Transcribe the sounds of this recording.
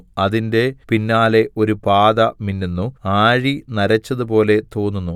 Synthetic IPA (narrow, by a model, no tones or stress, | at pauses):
ɐðinde̞pinːaːle̞ʔo̞ɾupaːðɐminːunːuaːɻinɐɾɐt͡ɕːɐðupo̞ːle̞t̪o̞ːnːunːu